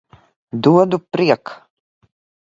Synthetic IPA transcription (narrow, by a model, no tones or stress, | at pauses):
d̪uɔd̪upɾiɛk